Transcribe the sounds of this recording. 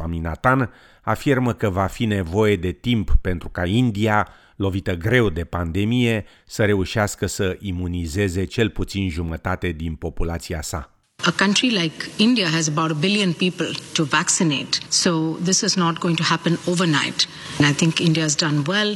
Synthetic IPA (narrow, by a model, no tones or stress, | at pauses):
amina̰t̪an | afirməkəvafine̞vo̞je̞d̪e̞t̪impːe̞nt̪ɾukaind̪ia | lo̞vit̪əɡɾe̞wd̪e̞pand̪e̞mije̞ | səɾe̞uʃiaskəsəʔimunize̞ze̞t͡ʃe̞lput̪sinʒumət̪at̪e̞d̪inpo̞pulat̪siasa̰ | əkʌ̃nʈɾilaɪkɪ̃nɖiaɦæzəbaʊʈəbɪljə̃npiːpəlʈuvæksineːʈsod̪ɪsɨznɔʈ̚ɡoɪ̃ŋʈuhæpə̃noːvəɾnaɪʈ | naɪt̪ʰɪ̃ŋkɪ̃nɖiazdʌ̃nwɛl